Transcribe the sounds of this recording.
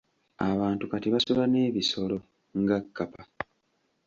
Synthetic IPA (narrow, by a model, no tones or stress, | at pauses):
aβaːntukatiβasulane̞ːβiso̞lo̞ | ŋɡakːapa